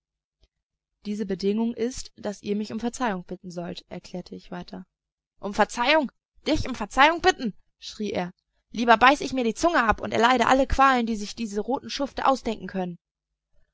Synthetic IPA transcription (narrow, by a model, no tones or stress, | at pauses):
d̥iːzəbədɪŋʊŋʔɪstd̥asʔḭːɐmɪçʊmfɛɐt͡saɪʊŋb̥ɪtn̩zɔltʔɛ̰ɐkʰl̥ɛːɐtʰəɪçv̥aɪtʰɐ | ʔʊmfɛɐt͡saɪʊŋ | d̥ɪçʊmfɛɐt͡saɪʊŋb̥ɪtn̩ | ʃʁ̥iːʔḛːɐ | liːbɐbaɪsəɪçmiːɐdiːt͡sʊŋəʔapʊ̰ntɛɐlaɪɾəʔa̰ləkv̥aːləndiːzɪçd̥iːzəʁoːtn̩ʃʊftəʔa̰ʊsd̥ɛŋkŋ̩kʰœnən